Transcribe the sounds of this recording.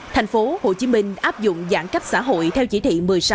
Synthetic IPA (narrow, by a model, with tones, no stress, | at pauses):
t̪ʰjŋ̟fo˨˦ho̰˧˨t͡ɕi˨˦mï˧ŋ̟ʔaː˦˥p̚zʊ̰˧˨ŋ͡mzaː˧˩nka˦˥k̟̚sa̰ː˧˥ɦo̰˧˨jt̪ʰɛ˧wt͡ɕi˧˩˥t̪ʰḭ˧˨mɨ˨˩əjsa˨˦